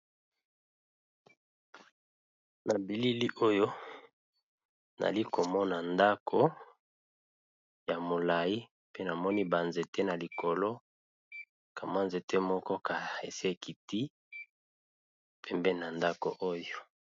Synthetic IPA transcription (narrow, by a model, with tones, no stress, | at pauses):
na˨bi˨li˦li˦ʔo˦jo˦ | na̰˨li˦ko˨mɔ˦na˨nda˦kʰo˦ | ja˨mo˨la˨ji˦ | pe˦na˨mɔ˦ni˦ba˨nze˨te˦na˨li˨ko˨lɔ˦ | ka˨ma˦nze˨te˦mɔ˦kɔ˦ka˨e˨si˦e˨ki˨ti˦ | pʰɛ˨mbɛ˦na˨nda˦ko̰˨ʔo˦jo˦